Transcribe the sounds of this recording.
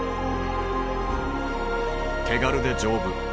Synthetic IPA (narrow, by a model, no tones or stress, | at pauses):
k̪ʰe̞ɡaɾɯ̟d̪e̞d͡ʑo̞ːbɯ̟